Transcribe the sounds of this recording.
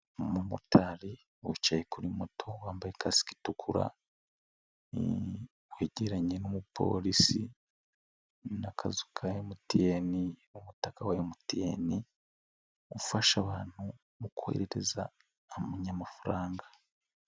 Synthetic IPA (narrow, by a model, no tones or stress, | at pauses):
mumutʰaɾi | wut͡ʃajekuɾimotʰo̞waːmbajekʰasi̥ki̥tukʰuɾa̰ | weɟeɾaɲenomupʰo̞̰ːlisi | nakʰazukʰajemutijeniumutakawajemutijḛni | ufaʃaβaːn̥hu | βukuhḛɾeɾe̞zaː | muɲamafuɾaːŋɡa